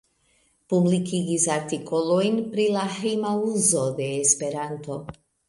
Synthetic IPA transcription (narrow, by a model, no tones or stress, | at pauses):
publikiɡisaɾtikʰo̞lo̞jnpɾilahejmauzo̞de̞ːspe̞ɾanto̞